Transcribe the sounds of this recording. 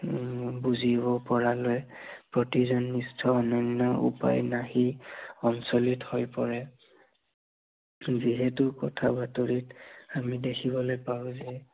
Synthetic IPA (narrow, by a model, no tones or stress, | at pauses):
buzibɔpɔɹalojpɹɔtizɔnːistʰɔːnɔnːɔṵpa̰jnahiɔnsɔlithojpɔɹɛ | ziɦɛtʊkɔtʰabatoɹitamidekʰibɔlojpawʊ̃zɛ